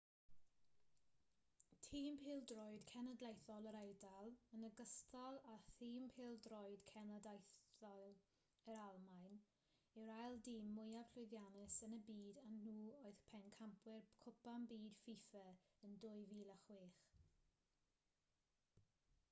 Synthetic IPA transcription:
tʰiːmpʰeːlˠdrɔjdkʰɛnədlejθɔlˠəɾɛjdalˠənəɡəstʰɔlˠaθiːmpʰeːlˠdrɔɨd̥kʰɛnadajθɔlˠ | əɾalˠmajn | ɪwɾajlˠdiːmːʊjab̥ɬʊjðjanɪsənəbiːdannuːoɨð̥pʰɛnkʰampʰwɪrkʰʊpambiːd̥fifɛ | əndʊɨviːlˠaχwiːχ

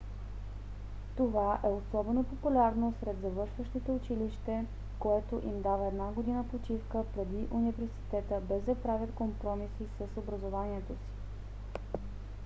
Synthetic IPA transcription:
t̪ovaʔɛosɔbɛnopopulʲaɾnosɾɛd̪zɐvɤɾʃvəʃt̪it̪ɛʊt͡ʃiliʃt̪ɛ | koɛt̪oʔimd̪avəɛd̪naɡod̪inəpot͡ʃifkəpɾɛd̪iʔunivɛɾsi̥t̪ɛt̪əbɛzd̪ɐpɾavʲjət̪kompɾɔmisisəsobɾɐzovaniɛt̪osi̥

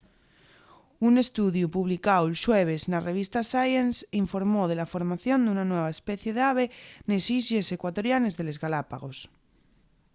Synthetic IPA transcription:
une̞st̪uðjupuβlikawelʃweβeznareβ̞ist̪asajensiɱfo̞ɾmoðe̞lafoɾmaθjo̞nd̪unanweβ̞aespeθje̞ðeaβ̞enesisesekwat̪o̞ɾjane̞zðe̞lezɣalapa̰ɣo̞s

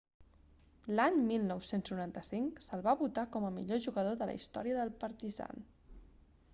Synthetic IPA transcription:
laɲmilˠnɔwsenznuɾant̪əsiŋksəlˠβaβut̪akɔməmiʎoʒuɣəðoðələ̰ist̪ɔ̰ɾiəðəlˠpəɾt̪iza̰n

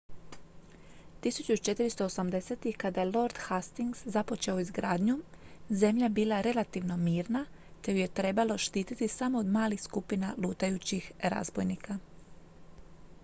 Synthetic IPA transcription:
t̪isut͡ɕut͡ʃe̞t̪iɾist̪oːsamd̪e̞seːt̪ikad̪ajelˠo̞ɾd̪hast̪iŋɡz̥zapo̞t͡ʃe̞o̞izɡɾaːd̪ɲuze̞mʎabiːlˠaɾe̞lat̪iʋno̞miːɾna | t̪e̞juje̞t̪ɾe̞balo̞ʃt̪iːt̪it̪isamo̞od̪maːlixskupinaluːt̪ajut͡ɕixɾa̰zbo̰jniːka

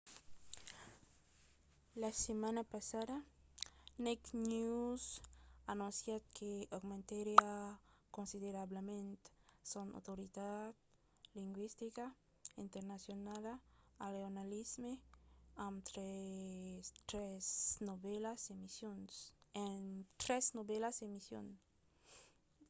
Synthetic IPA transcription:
lasemãnapasaða | neknusanunsjakʰeaɣmẽnt̪eɾjakonsiðeɾaβlemẽnt̪sona̰wt̪oɾiðad̪ | liŋɡwist̪ika | int̪eɾnasjonalaaleonalizmeãnt̪ɾe | t̪ɾesnoβelasemisjonsent̪ɾesnoβelasemisjo̰n

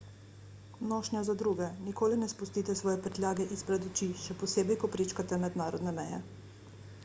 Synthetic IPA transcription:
nɔːʃnjazad̪ɾuːɡɛnikoːlinɛspust̪iːt̪ɛsʋɔːjɛpɾɛt̪lʲjaːɡɛʔispɾɛd̪ɔt͡ʃiʃɛpɔseːbɛjkɔpɾet͡ʃkat̪ɛmɛd̪naːɾɔd̪nɛmɛjɛ̰

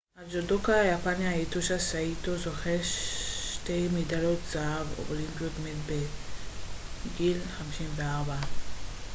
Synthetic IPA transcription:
had͡ʒodokajapanjajet̪uʃasaitozoχeʃtejmidalotz̥aavo̰olimpjotmelbe | ɡilχamiʃimveaʁba

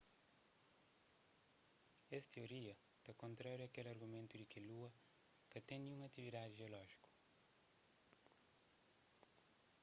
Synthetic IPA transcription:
ɛst̪eoɾiɐ | t̪ɐkõnt̪ɾaɾjuakelɐɾɣumẽnt̪ud̪ikeluɐ | kɐt̪ẽj̃nũɐt̪ivid̪ad̪ʒiolɔʒi̥ku̥

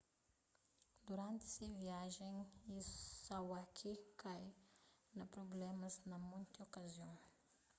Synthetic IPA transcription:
d̪uɾãnt̪ɪ̥seviaʒẽisawakʰikʰajnɐpɾoblɛmɐznɐmũj̪̃t̪okaziõw̃

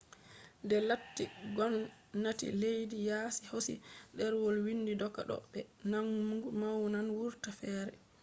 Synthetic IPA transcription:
dɛlatːiɡɔnː | atḭlejdijaːsihosḭdɛɾwɔlwinːdidɔkːa̰ɗɔ̰ɓɛnanmɡumawnanwuɾtafɛːɾɛ̰

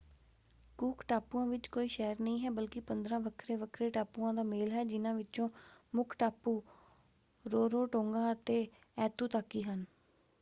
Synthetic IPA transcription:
kuːkʈaːpuːãːʋɪt͡ʃkoːiːʃɛːɾnəĩːɦɛːbəlkɪpənd̪ɾãːʋəkʰɾeːʋəkʰɾeːʈaːpuːãːd̪aːmeːlɦɛːd͡ʒɪnãːʋɪt͡ʃõːmʊkʰʈaːpːuː | ɾoːɾoːʈõːŋɡãːət̪eː | ɛːt̪uːt̪aːkːiːɦən

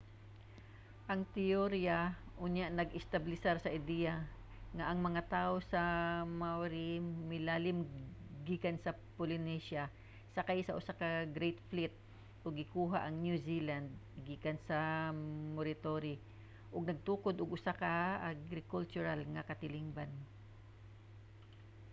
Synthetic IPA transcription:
ʔɐŋt̪ɪoɾiaʔʊɲjaʔnɐɡɪst̪ablɪsaɾsɐʔɪd̪ɛja | ŋaʔɐŋmɐŋat̪aːʔosamawɾɪmɪlaːlɪmɡikansɐ | polɪnɛʃa | sɐkajsɐʔʊsakaɡɾejt̪flɪt̪̚ | ʔʊɡːɪkuːɦaʔɐŋnjusiland̪̚ɡikansɐ | moɾɪt̪oɾɪ | ʔʊɡ̚nɐɡ̚t̪uːkod̪ʊɡʔʊsakaaɡɾɪkult͡ʃʊɾalŋakɐt̪ɪlɪŋban

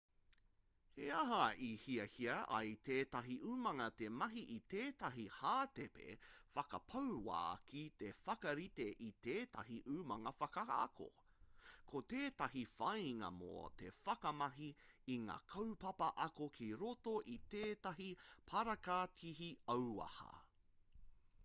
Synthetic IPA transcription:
heɐɦɐihiɐhiɐʔɐ̰jt̪ʰeːtɐɦiʔʉmɐŋɐt̪emɐɦiʔit̪eːtɐɦihaːt̪epḛfɐkɐ̰pʰɐwɾwa̰ːkit̪efɐkɐɾit̪eʔit̪eːtɐ̰ɦiʔʉmɐŋɐfɐkɐɐ̰kʰo̰ | kʰot̪eːt̪ɐhifɐjŋɐ̰mo̰t̪ḛfɐkɐmɐɦiiŋa̰ːkʰɐwpɐpɐʔɐkokʰiɾotoʔit̪eːtɐɦipʰɐɾɐkatʰiɦiɐwɐ̰hɐ̰

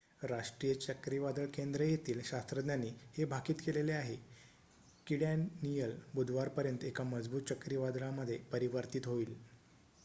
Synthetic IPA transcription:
ɾaʂʈɾiːjət͡ɕəkɾiʋad̪əɭkend̪ɾəjet̪iːlɕast̪ɾəd̪njanːiːhebʱakiːt̪keleleaɦe | kiɽjanijəlbud̪ʱʋaɾpəɾjənt̪ekaməd͡zbuːt̪̚t͡ɕəkɾiʋad̪ɭaməd̪ʱːjepəɾiʋəɾt̪it̪ɦoiːl

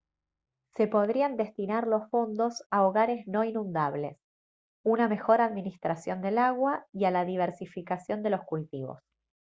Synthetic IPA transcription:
se̞po̞ðɾiand̪e̞st̪inaɾlosfo̞nd̪o̞saoɣaɾe̞zno̞inũnd̪aβle̞s | uname̞xo̞ɾaðminist̪ɾasjo̞nd̪e̞laɣwaialaðiβ̞eɾsifikasjo̞nd̪e̞lo̞skult̪iβo̞̰s

